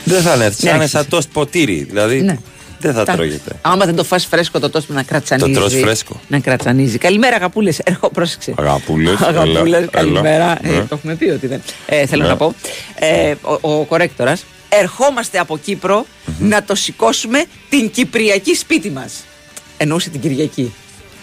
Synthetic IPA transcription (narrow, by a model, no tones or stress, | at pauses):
ðeθɐneɾθinnesɐt̪ospot̪iɾḭðḭlɐðine | ðeθɐt̪ɾo̰ʝḛt̪e̞̰ɐmɐzðend̪o̞fɐsfɾe̞sko̞t̪ot̪o̞smenɐkɾɐt͡sɐnoiɾosziɾesko̰nɐkɾɐt͡sɐnizikɐlime̞ɾɐɣɐpule̞seɾxopɾose̥kseɣɐ̰pulesɣɐuleskɐlimeɾɐet̪o̞xumet̪iot̪iðeneθelonɐpo̞eoko̞ɾe̞kt̪o̞ɾɐs | e̞ɾxo̞mɐst̪e̞ɐpo̞cipɾo̞ | nɐt̪o̞siko̞sume̞ | t̪iɲcipɾiɐcispit̪imɐs | e̞nouset̪iɟiɾʝɐci